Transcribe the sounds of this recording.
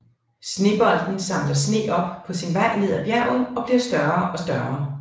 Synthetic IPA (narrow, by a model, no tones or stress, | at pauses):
sne̝̰ːb̥ɒ̽l̰d̥n̩sɑ̈m̰lɐsne̝̰ːɒ̽b̥̚pʰɒ̽sinʋɑ̈ɪ̰ne̝ð̞̰ˠæb̥jæɐ̰ʊn̩ɒ̽b̥le̝ʊsd̥ɶɐʔɒ̽sd̥ɶɐː